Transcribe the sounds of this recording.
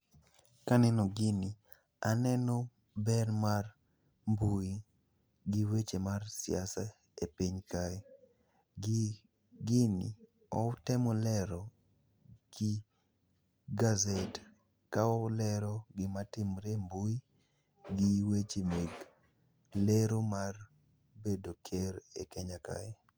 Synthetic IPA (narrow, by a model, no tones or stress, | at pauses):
kanɛnɔɡɪni | anɛnɔ | bɛrmar | mbui | ɡiwet͡ʃemarsja̰sa | epiɲkai | ɡ | ɡɪnḭ | ɔtɛmɔlɛɾɔ | ɡ̥ɪ | ɡazet | kaɔlɛɾɔɡɪmatɪmɾembuji | ɡiwet͡ʃemeɡ | leɾomar | bedokʰeɾḛkɛɲaka̰e